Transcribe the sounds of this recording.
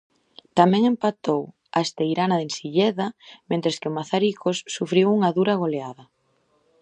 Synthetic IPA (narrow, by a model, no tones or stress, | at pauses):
t̪amɛ̃ŋempat̪ow | a̰est̪ejɾanaðensiʎɛðamẽnt̪ɾeskɪʊmaθaɾikʰosːufɾiwuŋɐðuɾaɣoleaðɐ